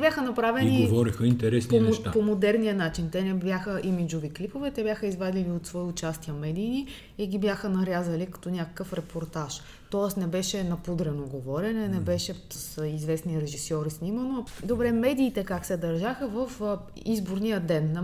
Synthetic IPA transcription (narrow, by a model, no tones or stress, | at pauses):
bʲjaxənɐpɾavɛniɡovɔɾixəint̪ɛɾɛsnʃt̪apomod̪ɛɾnijənat͡ʃint̪ɛnɛbjaxəʔimid͡ʒoviklipovɛt̪ɛbʲjaxəizvad̪iliot̪svɔiʊt͡ʃast̪iəmɛd̪iːni | iɡibjaxənɐɾjazəlikɐ̥t̪ɔnʲakə̥kəfɾɛpʰoɾt̪aʃ | t̪ɔɛsnɛbɛʃɛnɐpud̪ɾɛnoɡovɔɾʲɛnɛnɛbɛʃɛsizvɛsniɾɛʒisɔɾisnimənod̪obɾɛmɛd̪iːt̪ɛkaksɛd̪ɐɾʒaxəvəf | izboɾnijəd̪ɛnː